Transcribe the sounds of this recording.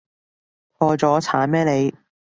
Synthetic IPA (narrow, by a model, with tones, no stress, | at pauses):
pʰɔː˧t͡sɔː˨˥t͡sʰaː˨˥nmɛː˥le˨˧j